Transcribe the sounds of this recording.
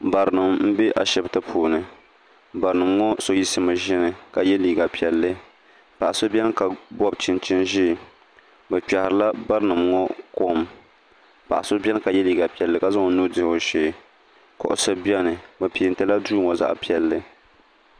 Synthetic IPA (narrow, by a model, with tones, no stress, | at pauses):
ba˨ɾɨ˨nɨ˨mm̩˦bɛ˦ʔa˨ʃɛ˨btɨ˦pʰuː˨nɨ˨ | ba˨ɾɨ˨nɨ˨mŋɔ˦so˦ji˦sɨ˦mɨ˨ʒɛ˦nɨ˨ka˨jɛ˦liː˨ɡa˨pi˨ɛ˨lːɨ˦ | pa˨ʔa˨so˦bʲɛ˦n˦ka˨bɔ˦bt͡ʃɪ˦nt͡ʃɪ˦nʒiː˦˨ | bɛ˨t͡ʃa˨hɪ˨ɾɨ˦la˦ba˦ɾɨ˦nɨ˨mŋɔ˦ko˦˨m | pa˨ʔa˨so˦bʲɛ˦n˦ka˨jɛ˦liː˨ɡa˨pi˨ɛ˨lːɨ˦ka˦za˦ŋ˨˦nu˦dɪ˨o˨ʃe˨ | kɔ̰˨ʔʊ̰˨sɨ˦bi˦ɛ˦nɨ˨bɛ˨pi˨n˨tɨ˦la˦duː˦ŋɔ˨za̰˦ʔpi˨ɛ˨lːɨ˦